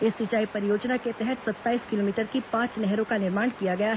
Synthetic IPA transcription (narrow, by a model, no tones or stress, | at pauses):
ɪsːɪt͡ʃaːipɐɾɪjoːd͡ʒnaket̪ɛɦɛt̪sɐt̪ːaːiːskɪloːmiːʈəɾkipãːt͡ʃnɛɦɾõkanɪɾmaːɳkijaɡɐjaɦ